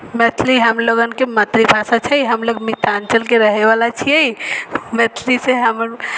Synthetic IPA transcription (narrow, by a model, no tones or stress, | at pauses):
mɛt̪ʰliɦəmloɡənkemət̪ɾibʱasat͡ʃʰəjɦəmloɡmit̪ant͡ʃəlkeɾəɦebalat͡ʃʰiɛjmɛt̪ʰliseɦəməɾ